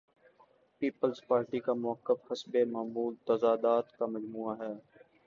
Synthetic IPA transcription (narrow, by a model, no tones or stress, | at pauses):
piːpəlzpaːɾʈikamʊəkːəfhɐsbemaːmuːlt̪ɐzaːd̪aːt̪kamɐd͡ʒmuːaɦɛː